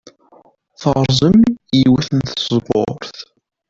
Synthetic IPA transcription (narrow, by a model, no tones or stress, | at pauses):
θəɾzˤəmjiwæθənθəzˤbo̰ɾθ